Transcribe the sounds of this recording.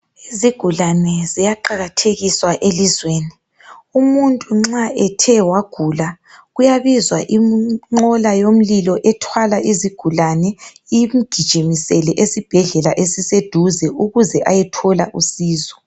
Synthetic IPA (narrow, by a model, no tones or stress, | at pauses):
iziɡ̥ʱulanɛzijaǃaɣatʰeɣiswaʔelizweːni | umuntʼuŋ͡ǁaʔɛtʰɛwaɡ̥ʱula | ɣujaβizwaʔimŋ͡ǃɔlajom̩lilɔʔɛtʰwalaʔiziɡ̥ʱulanɛim̩ɡ̥ʱid̥ʒ̥ʱimisɛlɛʔesib̥ʱɛɮɛlaʔesised̥ʱuzɛʔuɣuzɛʔajɛtʰɔla̰ʔusiːzɔ̥